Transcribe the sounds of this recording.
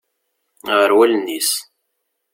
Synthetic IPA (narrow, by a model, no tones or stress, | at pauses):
ʁəɾwælnːis